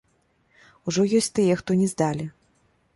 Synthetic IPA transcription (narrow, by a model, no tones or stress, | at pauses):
uʐɔjɔsʲt̪ɨjɛxt̪ɔnʲɛzd̪alʲi